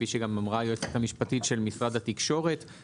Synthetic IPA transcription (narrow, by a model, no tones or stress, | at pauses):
iʃeɡamamʁajoet͡set̪hamiʃpatitʃe̞lmisʁadhat̪ikʃo̞ʁe̞t̪